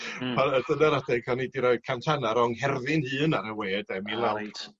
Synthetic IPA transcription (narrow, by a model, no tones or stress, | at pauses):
pʰanəd̥ənaɾadɛkʰɔnidiɾɔɨd̥̚kʰamtʰanaɾɔŋhɛrðɪnhɨːnaɾəweːdɛmilˠaw